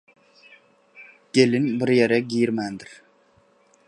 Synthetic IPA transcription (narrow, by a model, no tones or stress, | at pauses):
kʲelɪnbɪɾjeɾɛɡʲijɾmænd̪ɪɾ